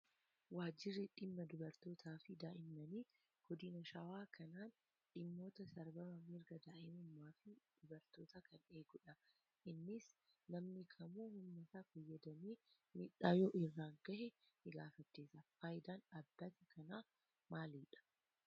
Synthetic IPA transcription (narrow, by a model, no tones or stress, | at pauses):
waːd͡ʒɪrːɪᶑɪmːɐd̪ʊbɐɾt̪o̞ːt̪ʰaːfɪd̪aːʔɪmːɐniː | ɡ̥ɔd̪ɪnɐʃɐwaːkʰɐnaːn | ᶑɪmːo̞ːt̪ɐsɐɾbɐmɐmɪɾɡɐd̪aːʔɪmʊmːaːfɪd̪̥ʊbɐɾt̪oːt̪akʰɐneːɡʊᶑɐ | ʔɪnːɪs | nɐmnɪkʰɐmuːhʊmːɐt̪aːfɐjːɐd̪ɐmiː | mɪᶑaːjoːʔɪrːaːŋɡɐhɛ | hɪɡaːfɐt͡ʃːeːsɐfaːjɪd̪aːnɐbːɐt̪ɪkʰɐnaː | maːliːᶑɐ̥